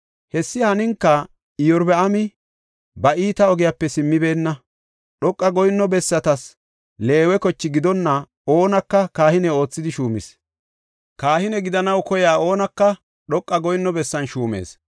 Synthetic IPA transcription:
hɛsːɪhɐnɪŋkːɐ | ɪjɔɾbɛɐmɪ | bɐʔiːt̪ɐɔɡɪjapːɛsɪmːɪbe̞ːnːɐ | ɗɔkʼːɐɡɔjnːɔbɛsːɐt̪ɐs | le̞ːwɛkɔt͡ʃːɪɡɪd̪ɔnːɐ | o̞ːnɐkːɐkaːhɪnɛo̞ːt͡sːɪd̪ɪʃuːmɪ̰s | kaːhɪnɛɡɪd̪ɐnɐwkɔjaːo̞ːnɐkːɐ | ɗɔkʼːɐɡɔjnːɔbɛsːɐnʃuːmḛːs

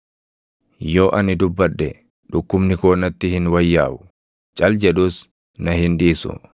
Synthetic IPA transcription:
jo̞ːʔɐnɪd̪ʊbːɐᶑːɛ | ᶑʊkːʊmnɪkoːnɐt̪ːɪhɪnwɐjːa̰ːʔʊ̥ | t͡ʃʼɐld͡ʒɛᶑʊːs | nɐhɪnᶑiːsʊ̰

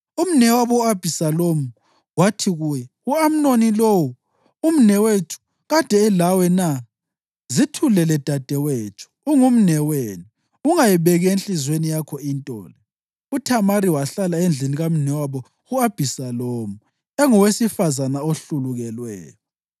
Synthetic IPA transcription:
um̩nɛwaβɔuab̥ʱisalomu | watʰiɣujɛ | uam̩nonilowu | um̩nɛwetʰu̥ | ɣad̥ʱɛːlawɛna | zitʰulɛlɛd̥ʱad̥ʱɛwet͡ʃʰu̥uŋum̩nɛweni | uŋajiβɛɣɛenɬizwenijakʰɔintʼɔ̰ːlɛ | utʰamaɾiwaɬalaend͡ɮʱiniɣam̩nɛwaβɔ | ɣuab̥ʱisalomu | ɛŋɔwesifazanaoɬuluɣɛlwɛ̰ːjɔ

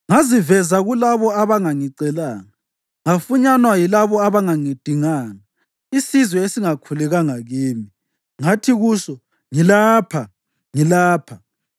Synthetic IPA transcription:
ŋazivɛzaɣulaβɔaβaŋaŋiǀɛlaːŋa | ŋafuɲanwajilaβɔaβaŋaŋid̥ʱiŋaːna | isizwɛesiŋakʰulɛɣaŋaɣiːmi | ŋatʰiɣuːʃɔ | ŋilaːpʰa | ŋilaːpʰa

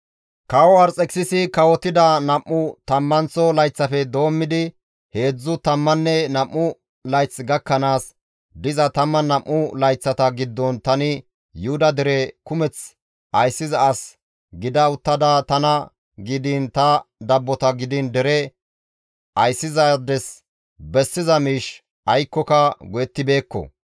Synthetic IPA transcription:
kɐwɔɐɾt͡sʼɛksɪsɪkɐwɔt̪ːɪd̪ɐnɐmʔːʊt̪ɐmːɐnt͡sɔlɐjt͡sːɐfɛd̪o̞ːmːɪd̪ɪ | he̞ːd͡zːʊt̪ɐmːɐnːɛnɐmʔːʊ | lɐjt͡sːɡɐkːɐnaːs | d̪ɪzɐt̪ɐmːɐnɐʔːʊlɐjt͡sːɐt̪ɐɡɪd̪ːɔnt̪ɐnɪ | jʊhʊd̪ɐd̪ɛɾɛkʊmɛt͡s | ʔɐjsːɪzɐɐs | ɡɪd̪ɐʊt̪ːɐd̪aːt̪ɐnɐ | ɡɪd̪ɪnt̪ɐd̪ɐbːɔt̪ɐɡɪd̪ɪnd̪ɛɾɛ | ʔɐjsːɪzɐd̪ɛs | bɛsːɪzɐmiːʃ | ʔɐjkːɔkɐɡɔjɛt̪ːɪbe̞ːkːɔ̰

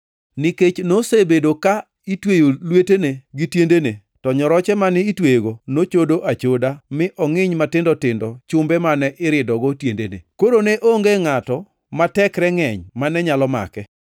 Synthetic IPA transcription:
nɪket͡ʃnosebedoka | itwejolweteneɡitjendene | tɔɲɔɾɔt͡ʃɛmanɪitweɡonot͡ʃodoʔat͡ʃodamɪʔɔŋɪɲmatɪndɔtɪndɔt͡ʃʊmbɛmanɛʔɪɾɪdɔɡɔtjendenḛkoɾoneʔoŋɡeŋatɔ | matɛkɾɛŋɛɲmanɛɲalɔma̰kɛ

